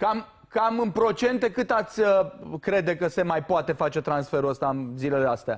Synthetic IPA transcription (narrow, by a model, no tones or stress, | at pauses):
kam | kamɨnpɾo̞t͡ʃe̞nt̪e̞kɨt̪at̪sʲəkɾe̞d̪e̞kəse̞majpoat̪e̞fat͡ʃe̞t̪ɾansfe̞ɾuəst̪aɨnzile̞least̪ea̰